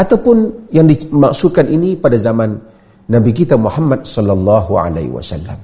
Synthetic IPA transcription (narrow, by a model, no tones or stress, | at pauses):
ʔat̪awpʊnjaŋdimaksukanʔinipadazamanː | abik̬it̪amuħamːat̪̚sɔlːalˤːɑɦua̰la̰hwa̰sa̰lːa̰m